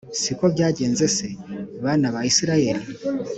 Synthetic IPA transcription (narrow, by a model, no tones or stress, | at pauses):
siko̞βɟaːɟe̞ːnze̞se̞βaːnaβajisiɾaje̞ɾi